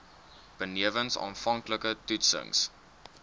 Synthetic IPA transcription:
b̥əniəvənsɑ̰ːnfɐŋkləkətutsə̰ŋs

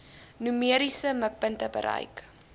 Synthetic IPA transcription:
nymiəɾisəmək̚pəntəbə̰ɾɐ̰jk

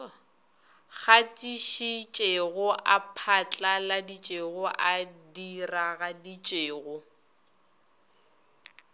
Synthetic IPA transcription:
ɣatʼiʃit͡ʃʼeɣʊʔapʰat͡ɬʼaladit͡ʃʼeɣʊʔadiraɣadit͡ʃʼeːɣʊ

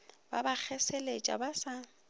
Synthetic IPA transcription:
ba̰bak͡xʰɛselet͡ʃʼa̰basa

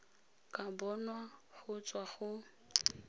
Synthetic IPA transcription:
kʼabɔnwaχʊt͡sʼwaχʊ

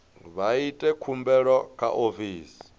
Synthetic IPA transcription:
βaitʼɛkʰumbɛɺɔkʰa̰ʔofiːsi̥

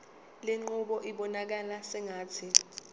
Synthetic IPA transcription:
leŋ͡ǃuɓɔʔiɓɔnak̬alasɛŋaːt͡sʰi

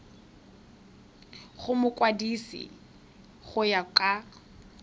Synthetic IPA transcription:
χʊmʊkʼwadisḭ | χʊjakʼa

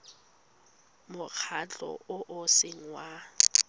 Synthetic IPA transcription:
mʊk͡xʰat͡ɬʼɔ̰ʔʊʔʊsɪŋ̩wa

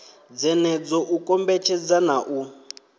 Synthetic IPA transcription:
d͡zɛnɛd͡zɔʔukʼɔmbɛt͡ʃʰɛd͡zanaʔu

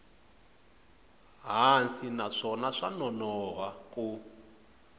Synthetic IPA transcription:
ɦansinaʂɔnaʂanɔnɔɦakʼu

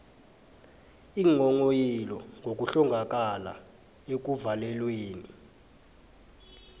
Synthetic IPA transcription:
iːŋɔŋojilɔŋʱok̬ʼuɬɔŋɡʱak̬ʼala̰ | ek̬uvalɛlweːni

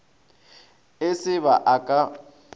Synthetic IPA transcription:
ɪsɪβaʔakʼa

